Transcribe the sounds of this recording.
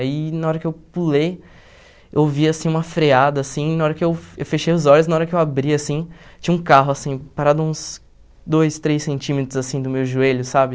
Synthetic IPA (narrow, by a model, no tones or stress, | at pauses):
ainaɔɾɐkɪewpulej | ewviasĩũmɐfɾead̪ɐːsĩnɐaɔɾɐkɪewewfeʃejʊzɔʎʊz̬naɔɾɐkɪewabɾiasĩt͡ʃĩɲɐũkaɦʊasĩpaɾad̪ʊũs | d̪ojst̪ɾejsːẽnt͡ʃĩmet̪ɾʊzasĩd̪ʊmewʒueʎʊsabɪ